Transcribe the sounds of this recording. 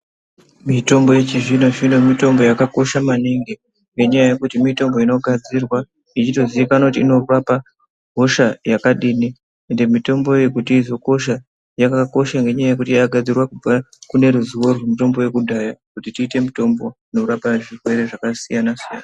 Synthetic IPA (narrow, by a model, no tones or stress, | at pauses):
mito̞mbo̞je̞t͡ʃiʐinoʐino̞mito̞mbo̞jakako̞ʃamaniŋɡi | ŋɡe̞ɲajaje̞kutimito̞mbo̞ino̞ɡʱad͡zirwa | it͡ʃito̞ziikanakutiːno̞rurapa | ɡʱo̞ʃajakaɗini | e̞nde̞mito̞mbo̞eekutiːzo̞ko̞ʃ̬a | jakako̞ʃaŋɡe̞ɲajaje̞kutiaɡʱad͡zirwakub͡va | kune̞ɾuzuwo̞rwemito̞mbo̞je̞kudʱajakutitiːte̞mito̞mbo̞ino̞rurapaʐirwe̞ɾe̞ʐakasijanasijaːna